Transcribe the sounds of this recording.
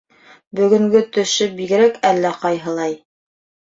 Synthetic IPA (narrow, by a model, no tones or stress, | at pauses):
bɵ̆ɡɵ̆ŋɡɵt̪ɵ̆ʃɵbiɡɘ̆ɾækælːæqɑjɦɤ̆lˠɑj